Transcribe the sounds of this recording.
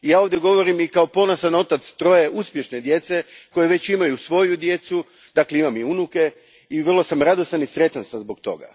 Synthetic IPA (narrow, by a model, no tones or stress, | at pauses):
ijaːo̞ʋd̪je̞ɡo̞ʋo̞ɾimikaopo̞nosano̞t̪at̪st̪ɾo̞je̞ʔuspje̞ʃne̞d̪je̞t̪se̞ko̞jeʋe̞t͡ɕimajusʋo̞jud̪je̞t̪su | d̪̥aːkleimamiunuke̞ | iʋr̩lˠo̞samɾad̪o̞sanisɾe̞t̪ansazbo̞kt̪o̞̰ɡa̰